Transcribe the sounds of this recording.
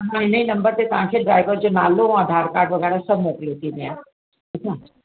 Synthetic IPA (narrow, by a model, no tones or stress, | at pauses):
ɦãĩnəĩnɐ̃mbəɾt̪et̪ãːkʰeɖɾaːɪʋəɾd͡ʒonaːlõɐd̪ʱaːɾkaːɾʈʋɐɡɛːɾasɐbʱmoːkliɦoːt̪iemeã | ɐt͡ʃʰːa